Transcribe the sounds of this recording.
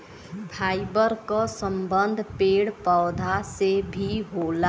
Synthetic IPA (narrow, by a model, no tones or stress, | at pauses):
pʰaɪbəɾkəsəmbənd̪ʱpeːɽpəwd̪ʱasebʱiɦola